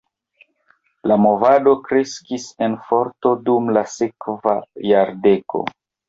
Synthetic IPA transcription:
lamo̞vado̞kɾe̞skise̞nfo̞ɾto̞dumlasekvajaɾde̞ko̞̰

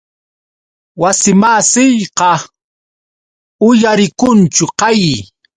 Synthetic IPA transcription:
wasɪmasɪjqɑ | ʊjaɾɪkʊnt͡ʃʊqɑji

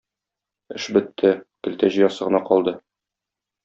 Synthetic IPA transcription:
ɘ̆ʃbɘ̆t̪ʰːɘkɘ̆lt̪æʑɤ̆jɑsɤ̆ʁɤ̆nɑqɒlˠd̪ɤ

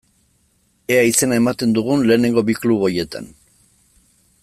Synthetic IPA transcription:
e̞aise̞naemat̪e̞nd̪uɣ̞unle̞ːne̞ŋɡo̞bikluβo̞je̞t̪a̰n

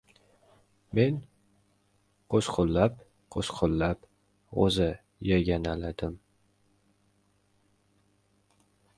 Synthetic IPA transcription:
me̞n | qʰoʃqʰʊlːap | qʰoʃqʰʊlˠːap | o̰zɪ | jaɡʲanalad̪ɪm

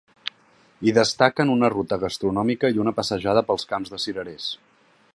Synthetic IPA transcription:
iðəst̪akənunərut̪əɣəst̪ɾunɔmikəiunəpəsəʒað̞əpəlˠskamzðəsiɾəɾes

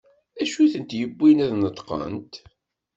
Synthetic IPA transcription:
æʃuθənt̪jəbːinæðnət̪ˤqə̰nt̪

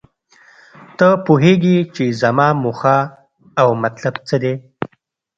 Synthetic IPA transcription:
t̪əpuɦeɡit͡ʃezamɑmuxaː | wmat̪labt͡səd̪e

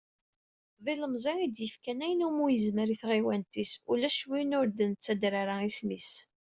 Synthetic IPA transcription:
ðˤiləmzˤiid̪jəfkænæjənumujəzməɾiθʁiwænt̪isulæʃwinʊɾd̪ənət͡sːæd̪ɾaɾaismis

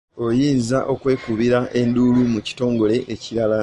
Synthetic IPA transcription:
o̞jiːnzaʔo̞kwe̞ːkuβiɾaʔe̞nduːlumuci̥to̞ːŋɡo̞le̞ʔeciɾala

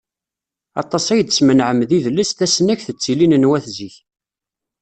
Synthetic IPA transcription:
ɑ̰t̪ˤːɑsˤæjd̪smənʕəmːðiðlːəsθæsənæçθət͡sːilinənwæθziç

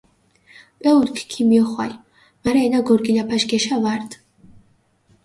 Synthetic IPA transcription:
pʼɛud̪kʰkʰimiɔχwa̰j | maɾɛːnaɡɔɾɡilapʰaʃɡɛʃavaɾd̪ʼ

